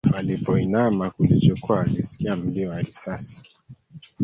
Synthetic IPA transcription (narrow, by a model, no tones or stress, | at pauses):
alipɔinamakulit͡ʃɔkuaːlisi̥kiam̩liɔwaɾisasi̥